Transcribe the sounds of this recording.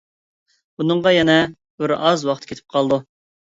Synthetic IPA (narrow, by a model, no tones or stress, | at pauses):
bunɨɴʁɑjɛnɛ | b̥ɪɾɑzwɑqt̪ʰkʲet̪ʰɪ̥p̚qʰɑlˠd̪u